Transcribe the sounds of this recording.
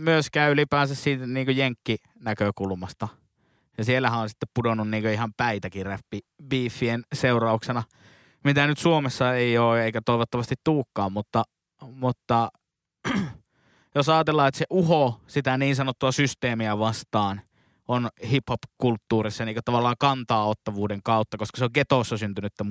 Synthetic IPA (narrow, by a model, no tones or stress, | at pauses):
myøskæːylipæːnsæssiːt̪niːŋkøjeŋkːi | nækøkulmɑst̪ɑ | jɑsielːˑæhæõnsi̥t̪ːeppudonunniːŋkøihɑmpæit̪ækiræpːibiːfːienseurɑuksenɑ | mit̪ænyt̪suomesːɑeˑioːeˑikæt̪oˑiʋot̪ːɑʋɑst̪it̪t̪uːkːɑːmmut̪ːɑ | mut̪ːɑ | josɑːt̪elːˑɑːet̪seʔuhosit̪æniːnsɑnot̪ːuɑsyst̪eːmiæʋɑst̪ɑːn | onhiphopkult̪ːuːrisːɑniːkøt̪ɑʋɑlːɑːŋkɑnt̪ɑːot̪ːɑʋuːdeŋkɑˑut̪ːɑkoskɑ̥seoŋket̪oˑsːɑsynt̪ynyet̪ːæ